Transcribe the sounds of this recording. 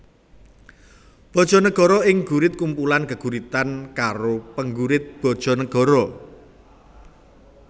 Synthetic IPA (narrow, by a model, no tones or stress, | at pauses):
b̥ɔ̤d̥ʒ̥ɔ̤nəɡ̥ɔ̤ɾɔɪŋɡ̥uɾɪt̪̚kumpulankəɡ̥uɾit̪ankaɾopəŋɡuɾɪt̪̚b̥ɔ̤d̥ʒ̥ɔ̤nəɡ̥ɔ̤ɾɔ